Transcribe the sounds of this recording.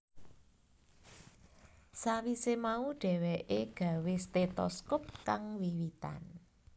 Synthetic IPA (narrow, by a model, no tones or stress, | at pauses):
sawisemauɖ̥ɛ̤weʔeɡ̥ä̤west̪et̪ɔ̰skʊp̚kaŋwiwit̪a̰n